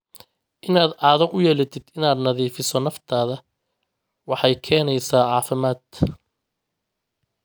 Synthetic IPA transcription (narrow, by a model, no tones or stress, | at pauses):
ʔɪnaːd̪ʕɑːðɔʔʊjɛːlɪt̪ʰɪd̪ɪnaːd̪nɐðiːfɪsɔnɐft̪ʰaːðɐ | wɑħɑjkʰɛːnɛjsaːʕɑːfɪmaːd̪